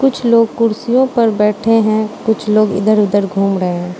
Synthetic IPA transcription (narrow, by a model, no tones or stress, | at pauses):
kʊt͡ʃʰloːɡ̚kʊɾsijõpɐɾbɛːʈʰeɦɛ̃kʊt͡ʃʰloːɡɪ̰d̪əɾʊd̪əɾɡʱuːmɾəɦeɦɛ̃ː